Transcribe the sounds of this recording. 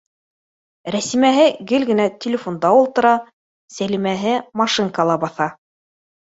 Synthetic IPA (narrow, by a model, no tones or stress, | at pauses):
ɾæsimæɦɘɡɘlɡɘ̆næt̪ʲɪlʲɪfond̪ɑulˠt̪ɤ̆ɾɑ | sælimæɦɘmɑʃɨŋkɑlˠɑbɑθɑ